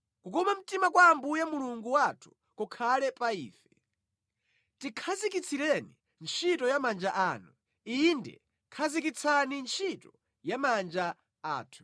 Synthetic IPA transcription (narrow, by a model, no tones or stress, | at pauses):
kukɔmam̩timakwaːmbujamuluŋɡuwatʰu̥ | kɔkʰalɛpaḭːfɛ̥ | tikʰazikit͡sʰilɛnḭ | nt͡ʃʰitɔjamand͡ʒaʔaːnu | indɛ̰ | kʰazik̬it͡sʰanint͡ʃʰitɔ | jamand͡ʒa | aːtʰu̥